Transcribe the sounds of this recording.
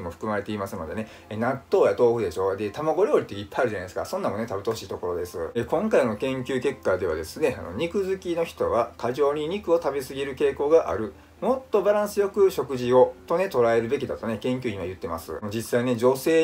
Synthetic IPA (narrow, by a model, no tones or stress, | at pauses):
imo̞ɸɯ̥kɯ̟maɾe̞t̪e̞imasɨno̞d̪e̞nenat̪ːo̞ːjat̪o̞ːɸɯ̟d̪e̞ɕo̞ːd̪e̞t̪amaɡo̞ɾʲjo̞ːɾʲit̪ːeipːajaɾɯ̟ʑanajesɨ̥ka̰sõ̞nːãmo̞ne̞t̪abet̪oɕiːt̪o̞ko̞ɾo̞d̪e̞sɨ̰ekõ̞ŋkaino̞kẽ̞ŋkʲɨːke̞kːad̪e̞β̞a̰d̪e̞sɨne̞a̰no̞̰ɲ̟ikɯ̟zɨkʲino̞çi̥t̪o̞βakaʑo̞ːɲ̟iɲ̟ikɯ̟o̞t̪abesɨɡʲiɾɯ̟ke̞ːko̞ːɡaʔa̰ɾɯ̟ | mo̞t̪ːo̞baɾãɰ̃sɨjo̞kɯ̟ɕo̞kɯ̟ʑio̞t̪o̞ne̞t̪o̞ɾae̞ɾɯ̟be̞k̬ʲid̪at̪o̞ne̞kẽ̞ŋk̬ʲɨːɲimajɯ̟t̪ːe̞ma̰sɨ̰mod͡ʑisaine̞d͡ʑo̞se̞ː